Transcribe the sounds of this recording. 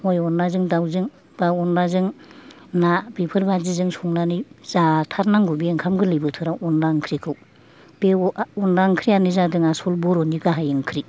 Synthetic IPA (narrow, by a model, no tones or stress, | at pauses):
mɔjɔnːazɯŋdawzɯŋ | b̥aɔndazɯŋ | nabipʰɯɾbazizɯŋsɔŋnaniz̥atʰaɾnaŋɡubieŋkʰamɡɯlɯbɯtʰɯɾaʔɔndaŋkʰɾikʰɯw | b̥eɔndaŋkʰɾianizadɯŋasɔlbɔɾɔniɡaɦajɯŋkʰɾi